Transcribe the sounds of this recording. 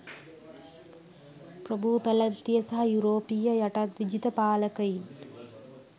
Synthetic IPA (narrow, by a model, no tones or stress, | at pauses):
pɾɐbʱupɛlɐnt̪ijɐsɐɦɐjuɾoːpijɐjɐʈɐt̪ʋid͡ʒit̪ɐpaːlɐkɐjin